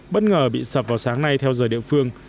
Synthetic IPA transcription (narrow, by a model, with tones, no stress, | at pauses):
ɓə˦˥t̚ŋəː˨˩ɓḭ˧˨səː˨˩p̚vaː˨˩wsaː˨˦ŋna˧jt̪ʰɛ˧wzəː˨˩jɗḭ˧˨əfɨ˧əŋ